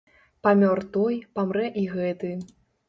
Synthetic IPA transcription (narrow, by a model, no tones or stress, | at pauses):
pamʲɔrt̪ɔjpamɾɛʔiɣɛt̪ɨ